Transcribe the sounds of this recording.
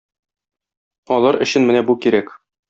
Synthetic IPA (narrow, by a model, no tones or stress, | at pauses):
ɒlˠɑɾɘ̆ɕɘnmɘnæbukiɾæk